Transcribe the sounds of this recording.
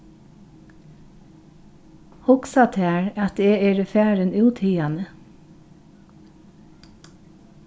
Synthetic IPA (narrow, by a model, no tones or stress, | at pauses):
hʊksɑt̪ʰæːɹɑt̪eːeːɹəfæːɹənʉːt̪ʰiːɑnə